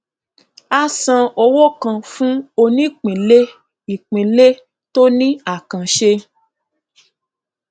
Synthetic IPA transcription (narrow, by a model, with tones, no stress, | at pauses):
a˧sã˧o˧wo˦˨kã˧fũ˦o˧nĩ˦˨k͡pĩ˨le˦ | i˨k͡pĩ˨le˦ | to˦nĩ˦a˦˨kã˨ʃe˧